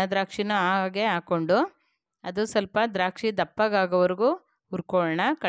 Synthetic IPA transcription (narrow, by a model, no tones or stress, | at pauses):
ɐd̪ɾaːkʂinuaːaːɡeaːkoɳɖu | ɐd̪usɐlpɐd̪ɾaːkʂid̪ɐpːɐɡaːɡɐʋɐɾiɡu | uɾkɔɭɳɐkɐ